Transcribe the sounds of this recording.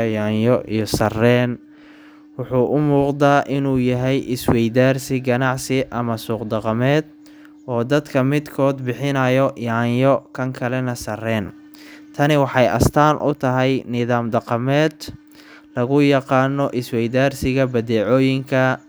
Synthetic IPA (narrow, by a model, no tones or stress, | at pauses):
jɑːjɔʔḭjɔsɐrɛːn | wʊħuːʔʊmuːqd̪aːʔɪnuːjɐɦɛjʔɪswɛjdaːrsɪɡɐnɑʕsɪʔɐmɐsuːqd̪ɑqɑmɛːd̪ | ɔːd̪ɐd̪kʰɐmɪd̪kʰɔːd̪bɪħɪnɐjɔjaːnjɔkʰɐŋkʰɐlɛnɐsɐrɛːn | t̪ʰɐnɪwɑħɑjʔɐ̰st̪ʰaːnʔʊ̰t̪ʰɐɦɛjnɪðaːmd̪ɑqɑmɛːd̪ | lɐɣʊjɑqɑːnːɔʔɪswɛjðaːrsɪɣɐbɐðɛːʕɔːjɪŋkʰɐ